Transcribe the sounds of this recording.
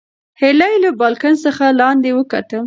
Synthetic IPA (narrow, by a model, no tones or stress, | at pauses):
helajlabɑlkansəxalɑnd̪ewəkat̪ə